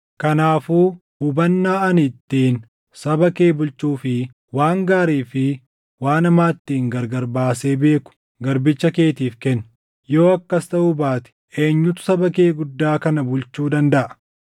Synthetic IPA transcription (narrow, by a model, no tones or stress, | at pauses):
kɐnaːfuː | hʊbɐnːaːɐnɪt̪ːiːn | sɐbɐkeːbʊlt͡ʃːuːfɪ | waːŋɡaːɾiːfɪ | waːnɐmaːt̪ːiːŋɡɐɾɡɐɾbaːseːbe̞ːkʊ̥ | ɡɐɾbɪt͡ʃːɐke̞ːt̪iːfkɛnː | jo̞ːɐkːɐst̪ɐʔʊbaːt̪ɪ̥ʔe̞ːɲːʊt̪ʊ̥sɐbɐkeːɡʊd̪ːaːkɐnɐbʊlt͡ʃːuːd̪ɐnd̪ɐʔɐ̥